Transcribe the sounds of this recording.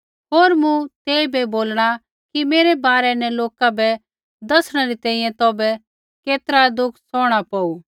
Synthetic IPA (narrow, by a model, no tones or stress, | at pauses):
ɦoːɾmũt̪eːibɛboːlɽ̃a | kimeːɾɛbaːɾɛnɛloːkabɛ | d̪ɐsɽ̃ɛɾit̪ɛ̃ːĩjɛ̃t̪ɔːbɛ | keːt̪əɾad̪ʊkʰsɔːɽ̃apɔːuː